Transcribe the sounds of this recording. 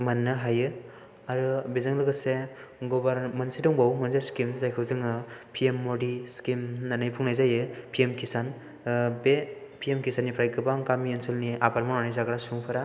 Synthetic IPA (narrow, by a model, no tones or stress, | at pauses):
manːɯɦajɯ | aɾɯbezɯŋlɯɡɯseɡɔbaɾmɐnsidɔŋbawmɐnzeskimzajkʰɯwzɯŋɯpʰiemːodiskimnanajpʰuŋnajzajɯpʰiemkʰisan | be | pʰiemkʰisanːipʰɾajɡɯbaŋɡamiensolniʔabaɾmananajzaɡɯɾasuŋpʰaɾa